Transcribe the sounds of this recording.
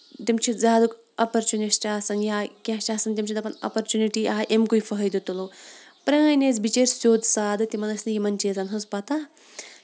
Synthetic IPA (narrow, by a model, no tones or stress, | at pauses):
t̪imt͡ʃʰizaːd̪uk | ɐpɐɾt͡ʃunesʈaːsɐnjaːkʲat͡ʃaːsɐnt̪imʲt͡ʃʰid̪ɐpɐnɐ̰pɐɾt͡ʃuniʈiʔaːʔemkujfɐɦɐjd̪ut̪ulu | pɾɐŋaːjneːzbit͡ʃeɾsoːd̪saːd̪ɨt̪imɐnɐsnɨjimɐnt͡ʃiːzanɦɐspɐt̪a